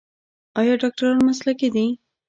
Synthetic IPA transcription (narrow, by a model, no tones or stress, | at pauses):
ɑjɑɖɑk̚ʈaɾɑnmaslaked̪i